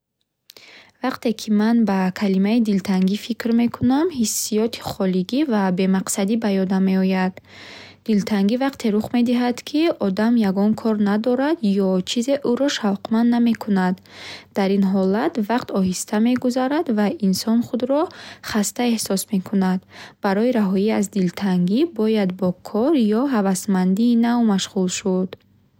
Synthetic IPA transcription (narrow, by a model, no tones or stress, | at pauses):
vaqt̪e̞kʰimanbakʰalimaid̪ilt̪ʰaŋɡifikɾme̞kʰunamhisːijɔt̪ʰi̥χɔliɡivabe̞maqsad̪ibajɔd̪ame̞ɔjad̪̥ː | ilt̪ʰaŋɡivaqt̪ʰe̞ɾuχme̞d̪iɦad̪kʰiɔd̪amjaɡɔŋkʰɔɾnad̪ɔɾad̪jɔt͡ʃʰize̞ʔuɾɔʃavqmanːame̞kʰunad̪ | d̪̥aɾinɦɔlat̪vaqt̪ʰɔɦist̪ʰame̞ɡuzaɾad̪vainsɔnχud̪ɾɔχast̪ae̞hsɔsme̞kʰunad̪b̥aɾɔiɾaɦɔiazd̪ilt̪ʰaŋɡibɔjad̪bɔkʰɔɾjɔɦavasmand̪iːnavmaʃʁulʃud̪̥